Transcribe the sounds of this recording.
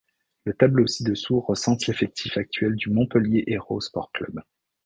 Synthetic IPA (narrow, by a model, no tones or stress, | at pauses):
lət̪ablosid̪əsuʁəsɑ̃t̪lefɛk̚t̪ʰifak̚t̪ɥɛld̪ymɔ̃pəljeʔeʁospɔ̰ʁklœ̰b